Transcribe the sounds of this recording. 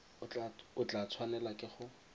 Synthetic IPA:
ʊt͡ɬʊt͡ɬat͡sʰwanɛlakʼɪχʊ

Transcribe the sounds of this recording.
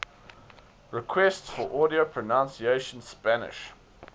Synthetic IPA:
ɹɪkʰwɛstsfəʔɔɾiopʰɹ̥ənãʊ̃nsieɪʃə̃nspænɪ̰ʃ

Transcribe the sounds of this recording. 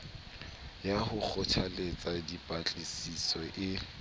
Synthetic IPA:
jahʊk͡xʰɔt͡ʃʰalet͡sʼadipʼat͡ɬʼɪsisɔʔɪ

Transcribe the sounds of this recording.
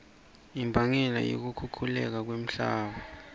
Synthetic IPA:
imbʱaŋɛla̰jo̰k̬ukʰukʰulɛk̬ak̬wem̩ɬaːɓa

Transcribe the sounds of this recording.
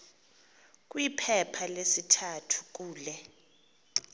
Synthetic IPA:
k̬ʼwipʰɛpʰalesitʰatʰu̥k̬ʼuːlɛ

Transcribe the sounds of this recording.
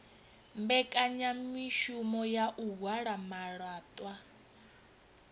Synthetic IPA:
mbɛkʼaɲamiʃumɔjaʔuɦwaɺamaɺaːt̪ʼwa

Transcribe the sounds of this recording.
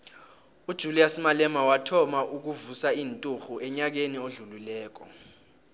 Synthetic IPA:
ud̥ʒ̥ʱulijasimalɛmawatʰɔmaʔuk̬uvusaiːntʼuxuʔɛɲak̬enioɮululɛːk̬ɔ

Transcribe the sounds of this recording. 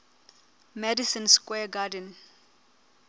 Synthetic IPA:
mɛdisə̃nskwɛɡadə̃n

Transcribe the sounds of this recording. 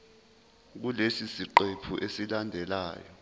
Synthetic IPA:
k̬ulesisiǃepʰuʔesilandʱɛla̰ːjɔ

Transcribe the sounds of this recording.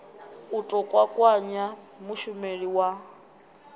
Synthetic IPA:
utʼɔkʼwakʼwaɲa | muʃumeɺiwa

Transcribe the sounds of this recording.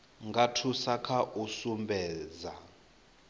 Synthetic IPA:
ŋɡatʰusakʰaʔusumbʱɛːza

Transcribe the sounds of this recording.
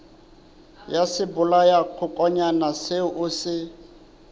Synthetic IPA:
jasɪbʊlajaq͡χʰʊkʼɔɲanasɪʔʊsɪ

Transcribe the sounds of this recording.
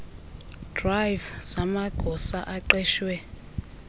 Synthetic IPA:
d̥rajvz̥amaɡ̥ʱɔsaʔaǃɛːʃwɛ

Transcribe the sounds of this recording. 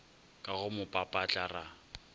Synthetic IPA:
kʼaɣʊmʊpʼapʼat͡ɬʼara

